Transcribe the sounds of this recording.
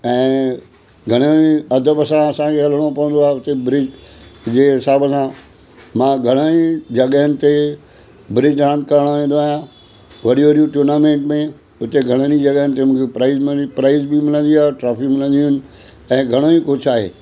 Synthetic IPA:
ɛ̃ː | ɡʱɐɽ̃oiɐd̪ʱəbəsãɐsãkʰeɦɐl̤əɽ̃opɐʋə̃nd̪oaːɦeʊt̪ebɾɪd͡ʑd͡ʑeːɦɪsaːbəsã | mãːɡʱɐɽ̃ənid͡ʑɐɠɦənɪ̆t̪e | bɾɪd͡ʒɾãːnd̪̚kɐɾəɽ̃oʋẽːnd̪oaːɦjã | ʋɐɗijʋɐɗijuʈuːɾnaːmẽːɳʈmẽ | ʊt̪eɡʱɐɽ̃ənid͡ʑɐɠəɦənɪ̆t̪emũːkʰepɾaːɪzmpɾaːɪzbɪmɪlə̃nd̪iaːʈɾaːpʰɪkmɪlə̃nd̪iʊnɪ̆ | ɛ̃ːɡʱɐɽ̃oĩkot͡ʃʰaːɦḛː

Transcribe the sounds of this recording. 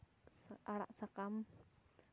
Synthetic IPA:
saɽa̰ʔsakam

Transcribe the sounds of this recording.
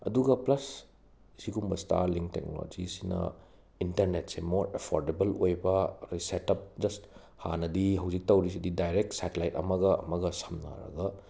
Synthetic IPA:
ɐduɡɐplɐs | siɡumbɐsta̰ɾliŋk̚tek̚no̰lo̰d͡ʒisinɐ̰ | intɐɾnetsemoɾepʰoɾdebɐlojbɐɾisetɐp̚d͡ʒɐst | hanɐdiɦɐwzik̚tɐwɾis̬ididajɾek̚tsatelajtɐ̰mɐɡɐɐ̰mɐɡɐsɐmna̰ɾɐ̰ɡɐ

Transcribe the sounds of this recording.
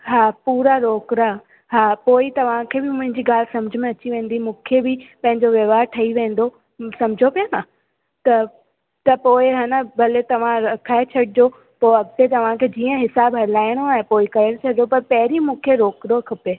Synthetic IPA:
ɦaːpuːɾaɾoːkɾa | ɦaːpoːɪt̪ɐʋ̤ãkʰeːbɪmʊ̃ɦɪ̃ɲd͡ʑiɡaːl̤ɪsɐmʊd͡ʑʱʊmẽɐt͡ɕiʋẽːnd̪imũːkʰebɪpɐ̃ɦɪ̃ɲd͡ʑoʋɐʋaːɾʈʰɐiʋẽːn̆d̪o | sɐmd͡ʑʱopijona | t̪ɐ | t̪ɐpoːɪɦaːnəbʱɐlet̪ɐʋ̤ãɾɐkʰaːet͡ɕʰɐɽɪd͡ʑo | poːɐɡ̚t̪et̪ɐʋ̤ãkʰeːd͡ʑiːə̃ɦɪsaːbɦɐlaːɪɽ̃oaːɦẽpoːɪkɐəɽt͡ɕʰɐɽd͡ʑopɐɾpɐɦɾimũːkʰeɾoːkɾokʰɐpe

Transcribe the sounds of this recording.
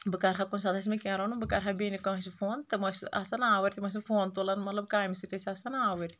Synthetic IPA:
bɨkɐɾɦakuns̬ɐd̪ɐs̬ʲmekʲãːɾɐnubɨkɐɾɦabʲeːnikɐ̃ɐsipʰoːnt̪ɨmɐsɐ̰sɐnaːʋɐɾʲt̪imɐs̬ʲmpʰoːnt̪oːlɐnmɐt̪lɐb̚kaːjmsiʈesiɐsɐnaːʋɨɾʲ

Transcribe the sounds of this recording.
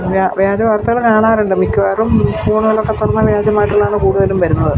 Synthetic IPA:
ʋjaːʋjaːd͡ʑɐʋaːrt̪ːɐɣɐɭkaːɳaːɾuɳɖɨmikʲːuʋeːrumfoːɳuɣɐɭokːet̪ːorɐnːɐʋjaːd͡ʑɐmaːjʈːuɭːaːɳɨkuːɽuðɐlumʋɐɾunːɐðɨ

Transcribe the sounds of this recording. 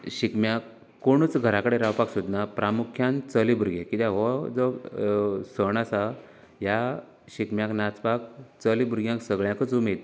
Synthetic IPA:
ɕikmjakː | oɽ̃ut͡sɡʱəɾakəɽeɾawpaksud̪napɾʔamukʰjãnt͡səlibuɾɡekit̪ãʋɔd͡zɔ | səɳ̃asa | ɦja | ɕikmjãknat͡spak̚t͡səlibuɾɡjãŋksəɡɭjãkəd͡zumet̪

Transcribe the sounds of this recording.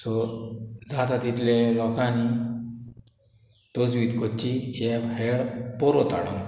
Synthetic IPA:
sɔ | d͡zat̪at̪it̪lẽlɔkani | ʈ̪ɔd͡zʋiːt̪kɔt͡ɕijɛbeɽpɔɾɔt̪a̰ɽɔn

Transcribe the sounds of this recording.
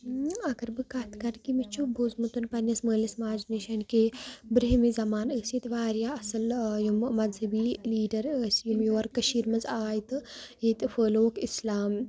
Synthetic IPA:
ɐkɐɾbɨkat̪ʰkɐʈkimit͡ʃʰubʱozmut̪unpɐnʲːɐsməːlʲɐsmaːd͡ʒnɐʃɐnkebɾiɦmizɐmaːnəːsjit̪ʋaːɾjaːɐsɐljummɐzɐbiːliːɖɐɾəːsjumjoːɐɾkɐʃiːɾmɐzaːjt̪ɨjit̪ɨfəːloːkislaːm

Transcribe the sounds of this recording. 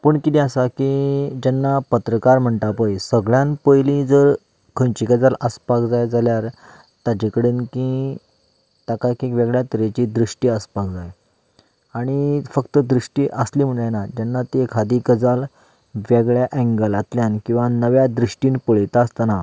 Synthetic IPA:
pəːɳkit̪iasakid͡ʑɛnːapət̪ɾəkaɾm̤əɳʈ̪apəjsəɡɭjãnpəjlĩd͡zəɾ | kʰə̃nt͡ɕikəd͡zaləspakd͡zajd͡zaljaɾ | t̪ad͡ʑikəɽenkĩ | t̪akakikʋeɡɭjat̪əɾet͡ɕid̪ɾiʂʈiːəspakd͡zaj | aɽ̃ifəkt̪əd̪ɾiʂʈiːʔəsliːm̤əɳjnad͡ʑɛnːat̪ekʰad̪ikəd͡zal | ʋeɡɭjaʔɛ̃ŋɡəlat̪ljankĩw̃ʋanəʋjad̪ɾiʂʈiːnpəɭet̪ast̪ana

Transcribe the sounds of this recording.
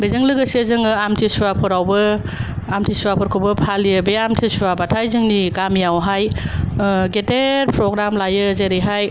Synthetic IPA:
bezɯŋlɯɡɐsezɯŋɯamtʰisuapʰɔɾawbɯ | amtʰisuapʰɔɾkʰɔbɯpʰaliɯbeamtʰisuabatʰajzɯŋniɡamjawɦaj | ɡeteɾpɾɔɡɾamlajɯzeɾiɦaj

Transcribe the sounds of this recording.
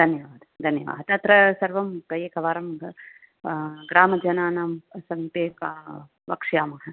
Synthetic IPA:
d̪ʱɐnjɐʋaːd̪ɐd̪ʱɐnjɐʋa̰ːd̪̚t̪ɐt̪ɾɐsɐɾʋɐmkɐjeːkɐʋaːɾɐmɡɐ | ɡɾaːmɐd͡ʒɐnaːnaːmɐsɐmt̪eːkaː | ʋɐkʂjaːmɐɦɐ

